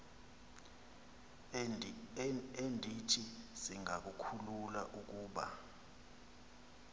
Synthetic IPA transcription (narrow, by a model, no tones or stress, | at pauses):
endʱitʰiziŋak̬ukʰulula̰ʔuk̬uːɓa̰